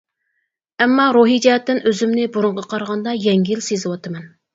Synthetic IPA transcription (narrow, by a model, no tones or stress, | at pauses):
ɛmːɑɾuɦijd͡ʒɛɦɛt̪ːɪnøzymnɪbuɾʊɴʁɑqʰɑɾʁɑnd̪ɑjɛŋɡʲilsezɪwɑt̪ɨmɛn